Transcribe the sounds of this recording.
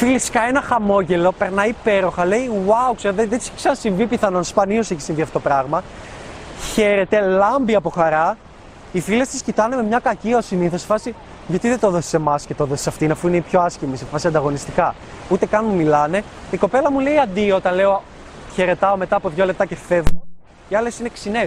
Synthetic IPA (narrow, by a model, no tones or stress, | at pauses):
filesiskɐe̞nɐxɐmo̞ʝe̞lo̞pe̞ɾnɐipe̞ɾo̞xɐle̞iwɐwukseɾðeðet̪i̥sksɐnɐsiɱvipiθɐno̞nspɐnio̞seçi̥sĩɱviɐft̪ot̪opɾɐɣmɐ | çe̞ɾe̞t̪e̞lɐmbiɐpo̞xɐɾɐ | ifile̞st̪iscit̪ɐne̞me̞mɲɐkɐciɐosiniθo̞se̥fɐsi | ʝɐt̪iðet̪oðo̞si̥se̞mɐsce̞t̪oðosi̥sɐft̪inɐfuineipço̞ɐscimisefɐsiɐnd̪ɐɣo̞nist̪ikɐ | ut̪e̞kɐnmumilɐne̞ | iko̞pe̞lɐmule̞iɐnd̪io̞t̪ɐnle̞o | çe̞ɾe̞t̪ɐo̞me̞t̪ɐːpo̞ðʝo̞le̞p̚t̪ɐce̞fe̞vo | iɐle̞sine̞ksine̞